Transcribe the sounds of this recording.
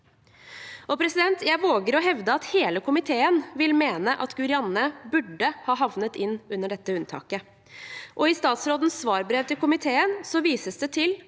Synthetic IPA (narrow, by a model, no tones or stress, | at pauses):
ɔpʰɾɛsɪd̪ɛnt̪jæɪʋoːɡəɾɔɦɛʋd̪əɑt̪heːləkʰʊmɪt̪ʰeːənʋɪlmeːnəʔɑt̪ɡʉɾɪɑnːəbʉɖːəhɑːɦɑʋnət̪ɪnːʉnːəɖɛt̪ːəʉnt̪ʰɑ̰ːkə | ʔɔɪst̪ɑːt̪sɾoːd̪ən̩sːʋɑːɾbɾeːʋt̪ɪlkʊmɪt̪ʰeːənsɔʋiːsəsd̪ɛt̪ʰɪl